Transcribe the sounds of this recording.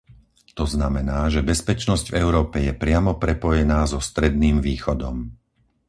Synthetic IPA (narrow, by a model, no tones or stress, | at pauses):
t̪ɔznamɛnaːʒɛbɛspɛt͡ʃnɔzɟvɛʊɾɔːpɛjɛpɾɪamɔpɾɛpɔjɛnaːzɔst̪ɾɛd̪̚niːmʋiːxɔd̪ɔm